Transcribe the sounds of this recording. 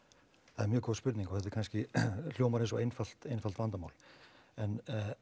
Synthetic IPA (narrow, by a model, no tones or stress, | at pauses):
θaðɛɾmjʏːkʰɔspʏɾt̪nĩŋkɔɣhɛt̪ɛɾkʰanscɪl̥jowmaɾẽnsɔejnfal̥t̪ejnfalt̪vant̪ama̰ːwl | ɛn